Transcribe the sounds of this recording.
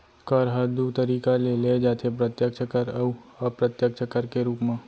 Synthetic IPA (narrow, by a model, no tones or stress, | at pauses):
kɔɾɦəd̪ut̪əɾiːkaleled͡ʒaːt̪ʰep̬ɾət̪jək̪t͡ʃʰəkəɾəuɔpɾət̪jək̚t͡ʃʰəkəɾkeɾuːpmẽ